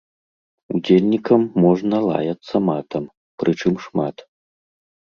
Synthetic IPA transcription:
ud͡zʲelʲnʲikɐmːɔʐnɐlˠa̰jɐt̪sːɐmat̪ɐm | pɾɨt͡ʂɨmʂmat̪

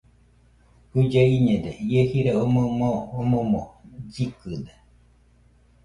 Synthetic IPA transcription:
hud͡ʒaiɲed̪eiehiɾeomomoomomod͡ʒikɨd̪e

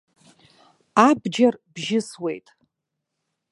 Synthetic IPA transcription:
abd͡ʒarbʒɪswe̞̰jtʼ

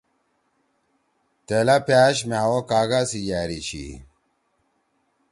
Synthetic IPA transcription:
t̪elapjaːɕ̬meawokaːɡasijaːɾit͡ɕḭ

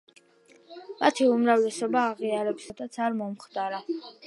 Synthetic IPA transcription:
mat̪ʰiumɾavlɛsɔbaːʁiaɾɛpsad̪at̪sʰaɾmɔmχd̪aɾa

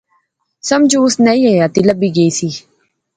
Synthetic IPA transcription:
səmd͡ʒuːʊsnaĩːejaːt̪iːləbiːɡəiːsiː

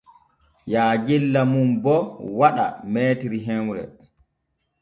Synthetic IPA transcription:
jaːd͡ʒilːamumbɔwaɗa̰mɛːtiɾiɦɛwɾɛ̰

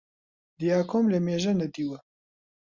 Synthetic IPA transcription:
d̪ijaːkʰoːmlemeːʒɐnɐd̪iwɐ

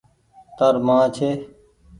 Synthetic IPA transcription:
t̪əɾmãːt͡ʃʰeː

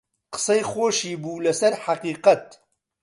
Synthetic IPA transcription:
qə̥sejxoːʃiːbuːlɐsɛɾħaqiːqɐt̪̚

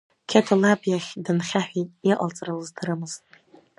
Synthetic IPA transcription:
kʲʰatʰalabjaχʲdɨnχʲaħᶣitiʔʼa̰lt͡sʼralɨztʰaɾɨmɨzʼ

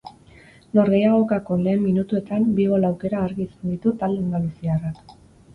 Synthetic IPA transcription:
no̞ɾɣe̞jaɣ̞o̞kako̞le̞ːmːinut̪ue̞t̪ambiɣ̞o̞lawke̞ɾaːɾɣisend̪it̪ut̪ald̪end̪alusiarak

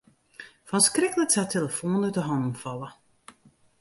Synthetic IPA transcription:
fɔnskrɪkələksatʰeləfoːnətəɦɑndn̩fɑlˠə

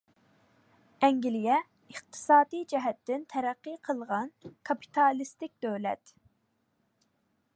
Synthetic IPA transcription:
ɛŋɡʲilijɛ | əχt̪ʰɨ̥sɑːd̪ijd͡ʒɛɦɛt̪ːɪnt̪ʰɛɾæqːiqʰəlˠʁɑnkʰɑpʰi̥t̪ʰɑlˠist̪ɪk̚ʲd̪̥øwlɛ̰t̪

